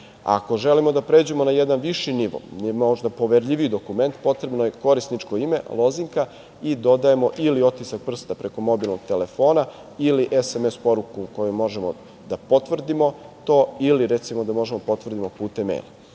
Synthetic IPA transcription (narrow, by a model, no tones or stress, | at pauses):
a̰ko̞ʒelimo̞d̪apɾe̞d͡ʑue̞mo̞najed̪anʋiʃiniʋo̰moʒd̪apo̞ʋeɾʎʲiʋiid̪o̞kume̞nt̪po̞t̪ɾe̞bnoje̞ko̞ɾisnit͡ʃkoime̞lˠo̞ziŋka | id̪o̞d̪aje̞mo̞ʔilio̞t̪isak̚pr̩st̪apɾe̞ko̞mo̞bilˠno̞ɡ̥̚t̪ele̞foːna | iliʔesemespo̞ɾukuko̞jumo̞ʒemo̰ | d̪apo̞t̪ʋr̩d̪imo̞t̪o̞ːiliɾet̪simod̪amo̞ʒemod̪apot̪ʋr̩d̪imo̞puːt̪emḛjlˠa̰